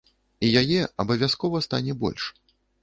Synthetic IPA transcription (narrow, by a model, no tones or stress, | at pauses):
ijajɛɐbɐvʲaskɔvɐst̪a̰nʲɛbɔ̰lʲʂ